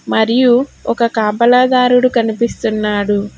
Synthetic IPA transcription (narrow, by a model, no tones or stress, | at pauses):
mɐɾijuɔkɐkaːbɐlaːd̪aːɾuɽukɐnipist̪unːaːɽu